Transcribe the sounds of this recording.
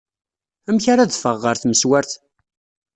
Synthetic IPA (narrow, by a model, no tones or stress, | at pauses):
æmçaɾaðfəʁːəɾθməswæɾθ